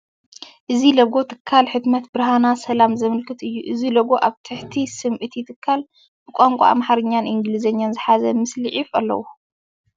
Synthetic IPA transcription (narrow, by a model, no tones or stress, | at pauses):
ʔɨzilɐɡo̞t̪ʰɨ̥kʰːalħɨt̪mɐt̪bɨɾɦanasɐlamzɐmɨlkʰɨt̪ʔɨjːuʔɨzilɐɡo̞ʔaβt̪ʰɨħt̪ʰisɨmʕɨt̪jt̪ʰɨkʰːal | b̥ɨkʼaŋkʷʼa̰a̰mħaɾɨɲːanʔiŋɡlizɐɲːanzɨħazɐmɨslɨʕifɐlːɐ̰wo